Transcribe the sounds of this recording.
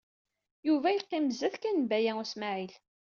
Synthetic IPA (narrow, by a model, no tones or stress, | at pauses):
juvæjəqːɪmzæθkænbæjæʊsmaʕil